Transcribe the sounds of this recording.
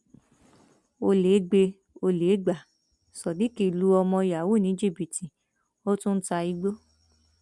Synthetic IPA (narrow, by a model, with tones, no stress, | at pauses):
o˧leː˨˦ɡ͡be˧ | o˧le˨˦ɡ͡ba˨ | sɔ˨di˨˦ki˦˨lu˨˦ɔ˧mɔ̃˧ja˨wu˦˨nĩ˨˦d͡ʒi˦˨bi˨ti˨ | o˦tũ˦n̩˦ta˧i˧ɡ͡bo˦